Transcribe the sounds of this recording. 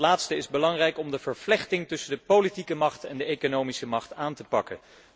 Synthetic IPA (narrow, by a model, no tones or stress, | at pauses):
laːtstəɪzbəlɑŋrɛjkɔmdəvəɹflɛχtɪŋtɵsəndəpowlitikəmɑχtɛndəejkonowmisəmɑχtaːntəpɑkən